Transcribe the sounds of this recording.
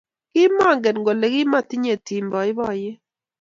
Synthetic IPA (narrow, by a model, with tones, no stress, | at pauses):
kɪ˦ma˦˨ŋɡɛ˨nŋɡo˨le˨kɪ˦ma˦˨ti˦ɲe˨ti˨mbɔ˨ɪ˦bɔ˦˨jɪ˦